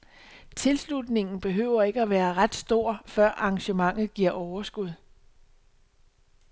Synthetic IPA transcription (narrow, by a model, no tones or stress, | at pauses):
t͡sʰe̝lslud̥ne̝ŋn̩b̥e̝ɦø̰ːʊ̰ɐe̝ɡ̥əæʋæːɐʁad̥sd̥o̝ɐ̰fɶɐ̰ʔɑ̈ŋɕəmɑ̈ŋ̰ð̩ˠɡ̥iɐ̰ʔɒʊɐsɡ̥uð̞̰ˠ